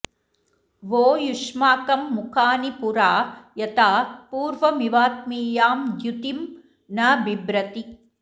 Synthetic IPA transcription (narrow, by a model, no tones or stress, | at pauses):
ʋoːjuʂmaːkɐmːukʰaːnipuɾaːjɐt̪aːpuːɾʋɐmiʋaːt̪̚miːjaːmd̪jut̪im | nɐbibɾɐt̪i